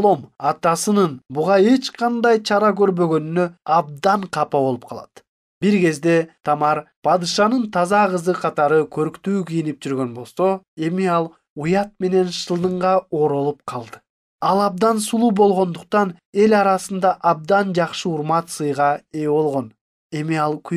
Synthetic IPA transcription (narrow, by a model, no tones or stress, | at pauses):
olˠo̞mɑt̪ɑsɯnɯnbuʁɑe̞t͡ʃqʰɑnd̪ɑjt͡ʃʰɑɾɑkø̞ɾbø̞ɡø̞nynø̞ɑb̚d̪ɑɴqʰɑpɑβo̞lˠup̚qʰɑlˠɑt̪ | biɾɡe̞zd̪e̞t̪ʰɑmɑɾpʰɑd̪ɨʃɑnɯnt̪ʰɑzɑʁɯzɯqʰɑt̪ɑɾɯkʰøɾkt̪yːkijinip̚d͡ʒyɾɡø̞nbo̞lˠso̞e̞miɑlˠ | ujɑt̪̚me̞ne̞nʃɯlˠd̪ɯɴʁɑoːɾo̞lˠup̚qʰɑlˠd̪ɯ̥ | ɑlˠɑb̚d̪ɑnsulˠuːbo̞lˠʁo̞nd̪uq̚t̪ɑn | e̞lʲɑɾɑsɯnd̪ɑʔɑb̚d̪ɑnd͡ʒɑqʃɯuɾmɑt̪sɯjʁɑe̞βo̞lˠʁo̞n | e̞miɑlˠkʰy